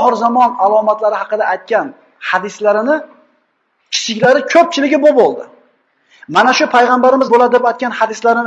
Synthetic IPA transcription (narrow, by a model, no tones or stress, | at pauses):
χɨɾzamɒnalˠɒmat̪laɾɪhɑqɨd̪aːjt̪̚kʲan | had̪ɪslaɾɪnɪ | kʲʰɪ̥t͡ʃʰɪkʲlaɾɪkʰɵp̚t͡ʃʰɪlɪɡʲɪbobolˠd̪ɪ | manaʃʊpʰajʁambaɾɪmɪzbolad̪epajt̪̚ʲkʲanhad̪ɪslaɾɪn